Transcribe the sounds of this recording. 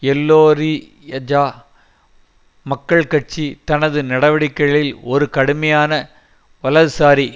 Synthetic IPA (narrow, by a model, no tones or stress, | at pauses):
ɛlːoːɾi | ɐd͡ʒaː | mɐkːɐɭkɐʈ̚t͡ʃit̪ɐnɐðɯnɐɽɐʋɐɽɪkːɐɭɪlɔɾɯkɐɽɯmɐjaːnɐ | ʋɐlɐðɯsaːɾi